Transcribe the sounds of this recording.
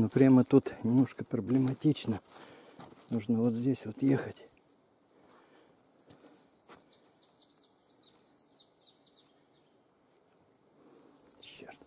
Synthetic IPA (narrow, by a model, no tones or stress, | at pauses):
nopɾʲamət̪ut̪nʲɪmno̞ʂkəpɾəblʲɪmɐtʲit͡ɕnə | nuʐnəvot̪zʲdʲesʲvot̪jexətʲ | ʊɕːert̪